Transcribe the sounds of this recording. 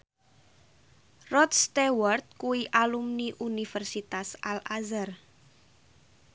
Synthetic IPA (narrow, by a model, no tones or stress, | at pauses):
rɔt̪st̪ewɔrt̪̚kuiʔalumniʔunifɛrsit̪asalazar